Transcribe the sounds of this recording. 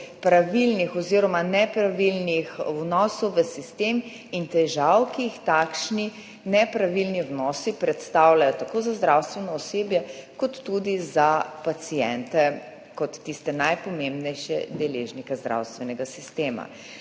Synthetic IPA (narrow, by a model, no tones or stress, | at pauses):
pɾaʋilnixɔziɾɔmanɛpɾaʋilnixwnɔːsɔwʋəsist̪em | int̪ɛʒawkiːixt̪akʃni | nɛpɾaʋilniwnɔːsipɾɛt̪st̪awlajɔt̪akozazd̪ɾawst̪ʋɛnɔɔseːbjɛkɔt̪ːud̪izapat̪sijɛnt̪ɛ | kɔt̪ːist̪ɛnajpɔmembnɛjʃjɛ̰d̪ɛleːʒnikɛzd̪ɾa̰wst̪ʋɛnɛɡasist̪eːma̰